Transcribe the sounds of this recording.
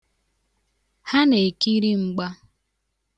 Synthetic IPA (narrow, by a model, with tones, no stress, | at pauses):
ha˦ne˨ki˦ɾi˦ŋ͡m̩˦ɡ͡ba˦